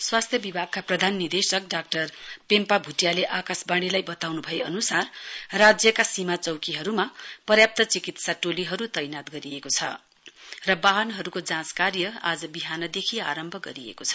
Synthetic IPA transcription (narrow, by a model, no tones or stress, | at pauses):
swast̪ʰjʌbibʱaɡ̚kaprʌd̪ʱanːird̪esʌk̚ɖak̚ʈʌrpempabʱuʈjaleʔakasbaɽ̃ilajbʌt̪awnubʱʌeʌnusarːad͡zjʌkasimat͡sʌwkiɦʌɾumapʌrjap̚t̪ʌt͡sikit̪saʈoliɦʌɾut̪ʌjnat̪ɡʌɾiekot͡sʰʌ̰ | rʌbaɦʌnɦʌɾukod͡zãskarjʌad͡zʌbiɦanʌd̪ekʰiaɾʌmbʱʌɡʌɾiḛkot͡sʰʌ